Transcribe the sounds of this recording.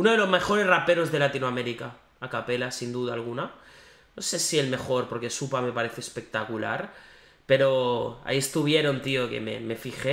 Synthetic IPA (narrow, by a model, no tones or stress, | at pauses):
unoð̞elo̞zme̞xo̞ɾe̞srape̞ɾo̞zðe̞lat̪inoame̞ɾika | akape̞lasind̪uðaːlɣ̞una | no̞sesielme̞xo̞ɾpo̞ɾke̞supame̞paɾe̞θeoespe̞k̚t̪akula̰ɾ | pe̞ɾo̞a̰ie̞st̪uβ̞je̞ɾo̞nt̪io̞ke̞̰me̞̰me̞fixe